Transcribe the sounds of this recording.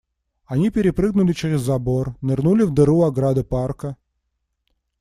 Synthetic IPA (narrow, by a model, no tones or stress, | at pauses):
ɐnʲipʲɪɾʲɪpɾɨɡnʊlʲɪt͡ɕeɾʲɪzːɐbornɨrnulʲɪvd̪ɨɾuɐɡɾad̪ɨparkə